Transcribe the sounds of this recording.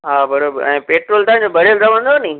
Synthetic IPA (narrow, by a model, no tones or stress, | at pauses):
ɦaːbɐɾobɛ̃ːpeːʈɾoːlt̪aːɪ̃ɲd͡ʑobɐɽelɾɐʋə̃nd̪onɐĩ